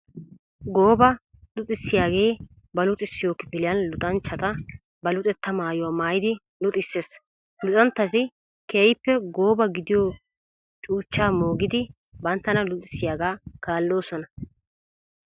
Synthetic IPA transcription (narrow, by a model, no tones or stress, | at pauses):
ɡoːbɐ | lʊt̪ʼɪsːɪjaːɡe̞ː | bɐlʊt̪ʼɪsːɪjoːkːɪpɪlɪjɐnlʊt̪ʼɐnt͡ʃːɐt̪ɐ | bɐlʊt̪ʼɛt̪ːɐmaːjʊwaːmaːjɪd̪ɪ | lʊt̪ʼɪsːeːs | lʊt̪ʼɐnt̪ːɐt̪ɪ | keːjɪpːɛɡo̞ːbɐɡɪd̪ɪjoː | t͡ʃʼuːt͡ʃːaːmoːɡɪd̪ɪ | bɐnt̪ːɐnɐlʊt̪ʼɪsːɪjaːɡaːkaːlːo̞ːsɔnɐ